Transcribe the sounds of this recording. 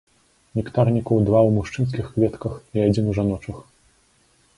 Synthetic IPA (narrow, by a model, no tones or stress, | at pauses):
nʲikt̪arnʲikɐwd̪vawmuʂt͡ʂɨns̬kʲixkvʲɛt̪kɐxiad͡zʲinuʐanɔt͡ʂɐx